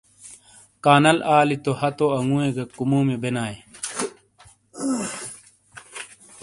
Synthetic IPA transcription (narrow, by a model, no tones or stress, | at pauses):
kaːnɐlaːlit̪ohɐt̪oɐŋuẽɡɐkumuːmebenaːe